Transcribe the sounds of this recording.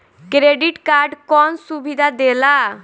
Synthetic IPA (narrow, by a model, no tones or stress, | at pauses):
kɾeɖiʈkaɾɖkɔnsubid̪ʱad̪ela